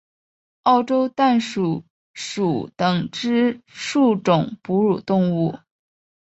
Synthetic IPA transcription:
ɑ˥˩ʊʈ͡ʂo˥ʊt̪a˥˩nʂu˨˩ | ʂu˨˩t̪ɤ˨˩ŋʈ͡ʂɻ̩˥ʂu˥˩ʈ͡ʂʊ˨˩ŋpu˧˥ɻu˨˩t̪ʊ˥˧ŋu˥˩

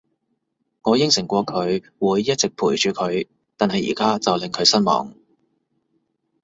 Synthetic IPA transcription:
ŋɔː˨˧jɪ˨˥ŋsɪ˨˩ŋkʷɔː˧kʰɵ˨˧ɥ | wuː˨˧jːɐ˥t̚t͡sɪ˨k̚pʰuː˨˩jt͡ʃyː˨kʰɵ˨˧ɥ | t̪aː˨nhɐ˨jːḭː˨˩kaː˥t͡sɐ˨wlɪ˨ŋkʰɵ˨˧ɥsɐ˥nmɔ̰ː˨˩ŋ

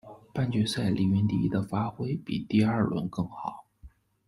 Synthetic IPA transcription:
pa˥˩nt͡ɕɥɛ˧˥sa˥˩ɪlʔḭ˨˧˩ɛ˧˥nt̪ḭ˧˥d̪ə˧fa˥xwe˥ɪpḭ˨˩t̪i˥˧ɐ˞˥˩lwə̰˧˥nkɤ˥˩ŋxɑ˨˩˦ʊ

